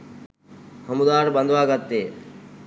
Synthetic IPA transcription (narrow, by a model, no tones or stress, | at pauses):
həmud̪aːɾbə̃nd̪ʱʋaːɡət̪ːeː